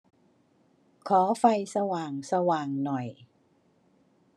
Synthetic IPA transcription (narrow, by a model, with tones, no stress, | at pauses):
kʰɔː˩˦fa˧jsa˧waː˨˩ŋsa˧waː˨˩ŋnɔ˨˩j